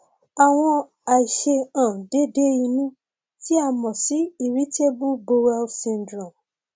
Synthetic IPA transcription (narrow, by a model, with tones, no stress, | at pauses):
a˨w̃ɔ̃˧ | a˨i˨ʃe˧ãː˨de˦de˦i˧nũ˦ | ti˦a˧˨mɔ̃˨si˨˦i˨ɾi˨˦te˦bu˦bo˧wɛ˧lsĩ˧n˨dɾɔ̃˨m